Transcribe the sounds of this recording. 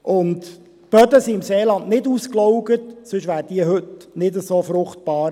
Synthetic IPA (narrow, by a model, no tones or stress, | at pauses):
ʔʊnt | b̥œdəsiɪmseːlɑndnɪduːsklɔʊɡətsɵʃʋæːɾd̥iəhɵtnɪdəsoːfɾʊχt̚b̥ɑːɾ